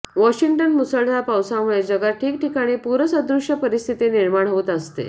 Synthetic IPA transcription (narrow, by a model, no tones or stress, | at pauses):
ʋɔɕiŋʈənmusəɭd̪apawsaməɭed͡ʑəɡaʈʰiːk̚ʈikaɽ̃ipuɾəsəd̪ɾuʂəpəɾist̪ʰit̪eniɾmaɳ̃ɦot̪əst̪ḛ